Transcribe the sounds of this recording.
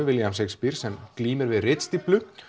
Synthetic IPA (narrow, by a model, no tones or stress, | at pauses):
vɪljamsekspiɾ̥sɛmkliːmɪɾvɪðrɪt̪st̪iplʏ